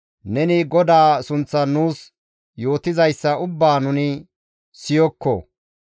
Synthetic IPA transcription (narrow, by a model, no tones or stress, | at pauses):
nɛnɪɡɔd̪aːsʊnt͡sːɐnuːs | jo̞ːt̪ɪzɐjsːɐʊbːaːnʊnɪ | sɪjɔkːɔ̰